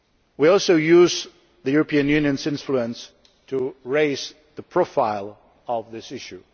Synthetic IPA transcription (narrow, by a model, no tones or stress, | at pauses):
wiɔlˠsoʊjuz | ðəjuɹəpʰĩɨ̃njʉ̃njɨ̃nzɪ̃nfluə̃ns | tʰuɹeɪz | ðəpʰɹ̥ofaɪlˠ | ʌvðɪsɪʃu